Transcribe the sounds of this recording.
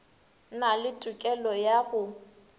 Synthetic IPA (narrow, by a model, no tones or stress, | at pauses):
nalɪtʼʊkʼɛlɔjaɣʊ